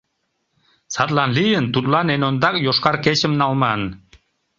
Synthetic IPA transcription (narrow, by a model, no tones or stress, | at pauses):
sɑt̪lɑnlijənt̪ut̪lɑnenond̪ɑkjoʃkɑɾket͡ɕə̆mnɑlmɑn